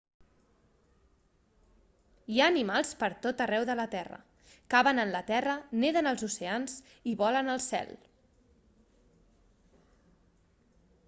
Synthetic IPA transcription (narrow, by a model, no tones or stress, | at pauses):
jaːnimalˠspəɾt̪ot̪ərɛwðələt̪ɛrə̰ | kaβənənlət̪ɛrəneðənəlˠzuseanz | iβɔlənəlˠsɛ̰l